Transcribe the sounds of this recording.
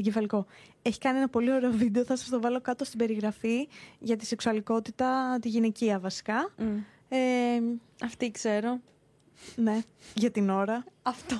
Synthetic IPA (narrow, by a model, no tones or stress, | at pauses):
oɟefɐliko̞ | eçi̥kɐnienɐpo̞lio̞ɾe̞o̞vid̪e̞o̞θɐsɐ̥st̪o̞vɐlo̞kɐt̪o̞st̪ibe̞ɾiɣɾɐfiʝɐt̪ise̞ksuɐliko̞t̪it̪ɐt̪iʝine̞ciɐvɐsi̥kɐ | e | ɐft̪ikse̞ɾo̞ | ne̞ʝɐt̪ino̞ɾɐɐft̪o